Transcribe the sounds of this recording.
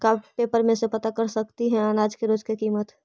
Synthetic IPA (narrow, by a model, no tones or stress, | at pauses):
kaːbpeːpəɾmẽsepɐt̪akəɾsɐkt̪iɦɛ̃aːnaːd͡ʒkeɾoːd͡ʒkekiːmət̪